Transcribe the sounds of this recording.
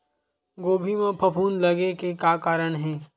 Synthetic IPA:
ɡoːbʱimẽpʰɐpʰuːnlɐɡekekaːkaːɾəɽ̃ɦɛ̃ː

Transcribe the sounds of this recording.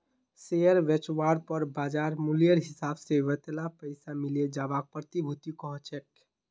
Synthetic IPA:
sejəɾʋet͡ʃwaɾpəɾbad͡ʒaɾmulijəɾɦisabseʋət̪elapəɪsamiled͡ʒabak̚pɾət̪ibʱut̪ikɔɦt͡ʃʰɛk

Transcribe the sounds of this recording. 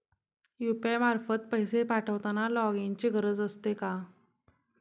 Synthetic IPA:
jupamaɾfət̪̚pəɦjsepaʈʰəʋt̪analɔɡint͡ɕeɡʱəɾəd͡zəst̪eka

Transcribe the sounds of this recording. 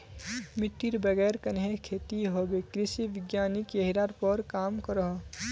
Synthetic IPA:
mɪt̪ːiɾbəɡɛːɾkənɦekʰeːt̪iɦoɡekɾisiʋɪɡjaːnikjeɦiɾaɾpəɾkaːmkəɾəɦ

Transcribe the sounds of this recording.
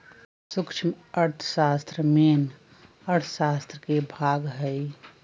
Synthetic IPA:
sʊkʃʰim | əɾt̪ʰə̥ʃaːst̪ɾəmen | əɾt̪ʰə̥saːst̪ɾəkebʱaːɡɦəi

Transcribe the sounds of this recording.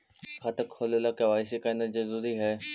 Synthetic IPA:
kʰat̪əkʰːoːləlakɐʋaːɪs̬ikaɪnəd͡ʑiːzɾuːɾiɦɛː

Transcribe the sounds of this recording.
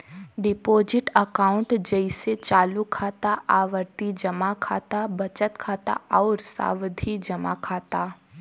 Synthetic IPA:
ɖɪpoːd͡ʒɪʈəkaːʊ̃ɳʈd͡ʒəɪset͡ʃaːlukʰaːt̪aʔaːʋəɾt̪id͡ʒɐmakʰaːt̪abɐt͡ʃət̪kʰaːt̪a̰ɔːɾsa̰ːʋd̪ʱid͡ʒɐma̰kʰaːt̪aː

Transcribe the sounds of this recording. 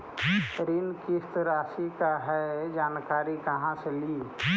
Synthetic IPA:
ɾinkist̪ɾaːʃikaɦɛd͡ʒaːnkaːɾikɐɦãseliː

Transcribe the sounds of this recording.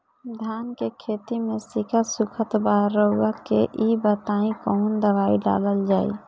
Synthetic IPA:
d̪ʱankekʰet̪imesikasukʰət̪baɦɾːəɦuɡakḛʔibət̪aĩkəɦund̪əbaiɖa̰ləld͡ʒaːḭ

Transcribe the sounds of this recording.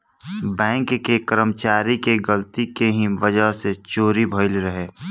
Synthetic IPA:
bɛ̃ːŋkːekəɾəmt͡ʃaːɾikeɡəlt̪ikeɦĩʋəd͡ʒəɦset͡ʃoːɾibʱəɪlɾəɦeː

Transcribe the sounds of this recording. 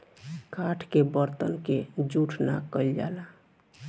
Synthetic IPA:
kaʈʰkebəɾt̪ənked͡ʒuʈʰna̰kəld͡ʒa̰la

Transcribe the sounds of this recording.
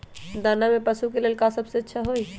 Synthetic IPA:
d̪aːnamẽpɐsukeleːlkasɐbseɐtːʃʰaɦoːi

